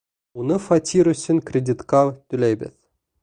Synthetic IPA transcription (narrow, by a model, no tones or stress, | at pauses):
unɤ̆fatʲʰːiɾuɕʲːɘ̆nʲkrʲedʲit̪kɑt̪ʲylʲæjbʲɘ̰̆θʲ